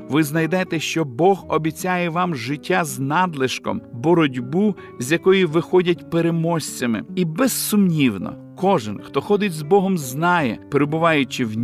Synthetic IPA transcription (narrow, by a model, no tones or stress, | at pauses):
ʋɪznɐjd̪ɛt̪ɛʃt͡ʃɔbɔɦɔbʲit͡sʲajɛʋɑmʒɪtʲːaznɑd̪lˠeʃkɔ̰mbɔɾɔdʲbu | zʲjɐkɔjiʋɪxɔdʲɐtʲpeɾemɔsʲt͡sʲɐmɪ̰ibɛzsʊmnʲiwnɔ̰ | kɔʒɪnxt̪ɔxɔd̪ɪtʲzbɔɦɔmznɑjɛpeɾebʊʋɑjʊt͡ʃɪwnʲ